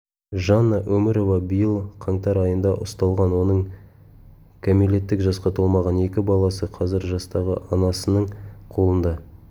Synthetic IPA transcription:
ʒɑnːɑʔɵmɪɾo̞vɑbijəlˠqʰɑɴt̪ɑɾɑjənd̪ɑʔʊst̪ɑlˠʁɑnwo̞nəɴ | kʲʰomile̞t̪ːɪkʒɑsqɑt̪ʰolˠmɑʁɑne̞kʲɪbɑlˠɑsəqʰɑzɪɾʒɑst̪ɑʁə̰ʔɑnɑsənəɴqʰo̞lˠənd̪ɑ

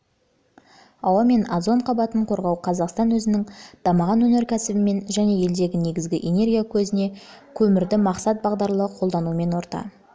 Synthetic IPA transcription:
ɑwɑme̞na̰d̪zo̞ɴqʰɑbɑt̪əɴqʰo̞ɾʁɑwqʰɑzɑqst̪ɑnwɵzɪnɪŋd̪̥ɑmɑʁɑnwɵne̞ɾkʲʰæsɪbɪme̞nʒæne̞je̞ld̪e̞ɡʲɪne̞ɡʲɪzɡʲɪʔe̞ne̞rɡʲijakʲʰɵzɪne̞kʲʰɵmɪɾd̪ɪmɑqsɑt̪̚bɑʁd̪ɑɾlˠəəqʰo̞lˠd̪ɑnuəme̞nwo̞ɾt̪ɑ̰

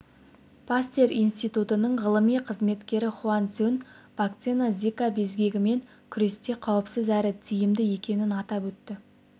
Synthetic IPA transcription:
pʰast̪eɾijnst̪ijt̪ut̪ənəɴʁəlˠəmijqʰəzme̞t̪kʲe̞ɾɪχuant̪son | bakt̪senazʲikabe̞zɡʲe̞ɡʲɪme̞ŋ | kʲʰʏɾe̞st̪e̞qʰɑwəpsɪzæɾɪt̪ʰijɪmd̪ɪje̞kʲe̞nɪnɑt̪ɑpwɵt̪ːɪ

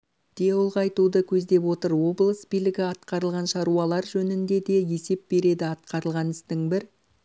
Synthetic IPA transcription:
d̪̥ewʊlˠʁɑɑjt̪ud̪əkʲʰɵzd̪e̞pwo̞t̪əɾwo̞blˠəsbijlɪɡʲɪɑt̪qɑɾəlˠʁɑnʃɑɾuɑlˠɑɾʒɵnɪnd̪e̞d̪e̞je̞se̞p̚b̥e̞ɾe̞d̪ɪɑt̪̚qɑɾəlˠʁɑnɪst̪ɪŋbɪɾ

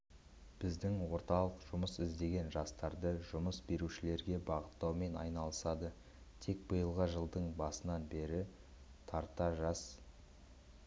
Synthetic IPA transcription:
b̥ɪzd̪ɪŋwo̞ɾt̪ɑlˠəqʒ̥ʊməsɪzd̪e̞ɡʲe̞nʒɑst̪ɑɾd̪əʒʊməsbe̞ɾuʃɪle̞ɾɡʲe̞bɑʁət̪ːɑwme̞nɑ̰jnɑlˠəsɑd̪ə | t̪ʰe̞k̚bəjəlˠʁəʒəlˠd̪əɴbɑsənɑnbe̞ɾɪ | t̪ʰɑɾt̪ɑʒɑs

